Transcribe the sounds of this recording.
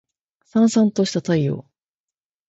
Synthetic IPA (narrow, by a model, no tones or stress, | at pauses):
sãɰ̃sãnt̪oɕi̥t̪at̪aijo̰ː